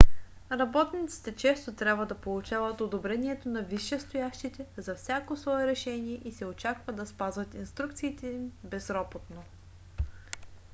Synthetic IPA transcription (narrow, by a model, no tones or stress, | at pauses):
ɾɐbɔt̪nit̪si̥t̪ɛt͡ʃɛst̪ot̪ɾʲabvəd̪ɐpolˠut͡ʃavət̪od̪obɾɛniɛt̪onɐviʃːɛst̪ojaʃt̪it̪ɛzɐfsʲjakosvɔɛɾɛʃɛnʲiɛʔisɛot͡ʃakvəd̪ɐspazvət̪inst̪ɾuk̚t̪siːt̪ɛimbɛzɾɔbot̪no